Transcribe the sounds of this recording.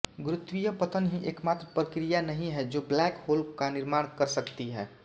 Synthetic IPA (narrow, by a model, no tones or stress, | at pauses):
ɡɾʊt̪wijəpət̪ənɦĩʔeːkmat̪ɾəpɾəkɾijanəɦĩɦɛd͡ʒoːblɛːkhoːlkanɪɾmaːɽ̃kəɾsəkt̪iɦɛː